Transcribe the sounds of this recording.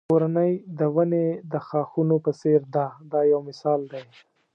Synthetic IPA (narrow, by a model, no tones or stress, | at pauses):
oɾanəjd̪əwaned̪əxɑxunopəseɾd̪ɑd̪ɑjawmɪsɑld̪aj